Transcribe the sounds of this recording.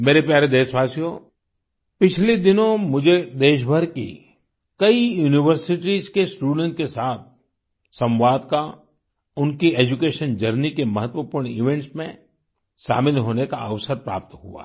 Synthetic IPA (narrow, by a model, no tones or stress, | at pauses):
meːɾepjaːɾed̪eːʃʋaːsijõ | pɪt͡ʃʰled̪ɪnõmʊd͡ʒʱed̪eːʃ̬bʱəɾkḭ | kɐijuːnɪʋəɾsɪʈizkesʈuːɽə̃ɳʈ̚kesaːt̪̚ʰ | sɐ̃mʋaːd̪ka | ʊnkieːd͡ʒukeːʃənd͡ʒɐɾnikemɐɦət̪wəpuːɾɳɪʋɛ̃ɳʈsmẽ | ʃa̰ːmɪlɦoːnekaɐʋsəɾpɾa̰ːp̚t̪ɦṵa̰